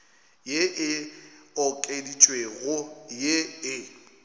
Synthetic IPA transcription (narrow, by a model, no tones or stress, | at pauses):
jeʔɪɔkʼedit͡ʃʼweɣʊjeɪ